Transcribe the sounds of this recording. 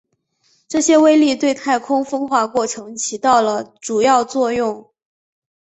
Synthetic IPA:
ʈ͡ʂɤ˥˩ɕjɛ˥we˥ɪli˥˧t̪we˥˧ɪt̪ʰa˥˩ɪkʰʊ˥ŋfɤ˥ŋxwa˧˥kwɔ˥˩ʈ͡ʂʰɤ˧˥ŋt͡ɕʰi˧˥t̪ɑ˥˩ʊlə˩ʈ͡ʂu˨˩jɑ˥˧ʊt͡swɔ˥˧jʊ˥˩ŋ

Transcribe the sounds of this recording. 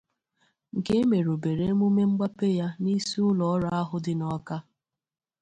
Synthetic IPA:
ŋ̩˨ke˦me˨ɾo˨be˨ɾe˦mu˦me˦ŋ͡m̩˦ɡ͡ba˦pe˦ja˦ni˦si˦ʊ˦lɔ˨˦ɾa˦a˦ɦʊ˦dɪ˦nɔ˦ka˦

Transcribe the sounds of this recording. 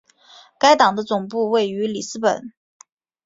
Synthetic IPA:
ka˥ɪt̪ɑ˨˩ŋd̪ə˦t͡sʊ˨˩ŋpu˥˧we˥˩ɪy˧˥li˨˩sɹ̩˥pə˨˩˦n

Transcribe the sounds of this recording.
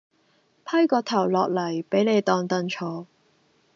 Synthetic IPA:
pʰɐ˥jkɔː˧t̪ʰɐ˨˩wlɔː˨k̚lɐ˨˩jpe˨˥jne˨˧jt̪ɔː˧ŋt̪ɐ˧nt͡ʃʰɔː˨˥˦

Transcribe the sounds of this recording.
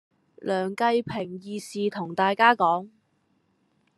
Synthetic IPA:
lœː˨˩ŋkɐ˧jpʰɪ˨˩ŋjiː˨˧siː˨t̪ʰʊ˨˩ŋt̪aː˨jkaː˥kɔː˨˥ŋ

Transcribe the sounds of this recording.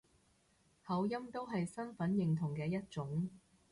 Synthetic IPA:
hɐ˨˥wjɐ˥mt̪o˥wɦɐ˨jsɐ˥nfɐ˨˥njɪ˨ŋt̪ʰʊ˨˩ŋkɛː˧jɐ˥t̚t͡ʃʊ˨˥ŋ

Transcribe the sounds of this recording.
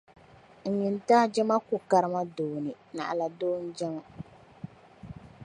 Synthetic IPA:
ŋ̩˨ɲi˨n˦taː˦d͡ʒɛ˦ma˦kʊ˨ka˨ɾɨ˦ma˦doː˨nɨ˨ | na̰˨ʔa˨la˨doː˦n̩˦d͡ʒɛ˦m˦

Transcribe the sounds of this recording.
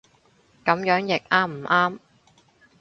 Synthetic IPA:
kɐ˨˥mjœː˨˥ŋjɪ˨k̚ʔaː˥mm̩˨˩ʔaː˥m

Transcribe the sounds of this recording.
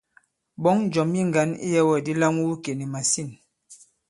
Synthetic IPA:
bɔ˨˦ŋ˦d͡ʒɔ˨mji˦ŋ˨ɡa˨˦nḭ˦jɛ˦wɛ˦˨di˦la˦ŋu˦wu˦ke˨ni˨ma˨si˦˨n

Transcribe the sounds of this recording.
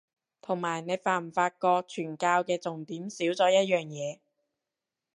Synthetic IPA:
t̪ʰʊ˨˩ŋmaː˨˩jne˨˧jfaː˨˧˩m̩˨˩faː˧t̚kɔː˧k̚t͡ʃʰyː˨˩nkaː˧wkɛː˧t͡sʊ˨ŋt̪iː˨˥msiː˨˥wt͡sɔː˨˧˥jɐ˥t̚jœː˨˩ŋjɛː˨˧

